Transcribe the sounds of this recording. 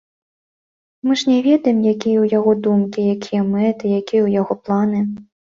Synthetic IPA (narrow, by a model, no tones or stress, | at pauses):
mɨʐnʲɛvʲɛd̪ɐjimjakʲijɛwjaɣɔd̪umkʲijakʲʰijɐmɛt̪ɨjakʲijɛwjaɣɔplˠanɨ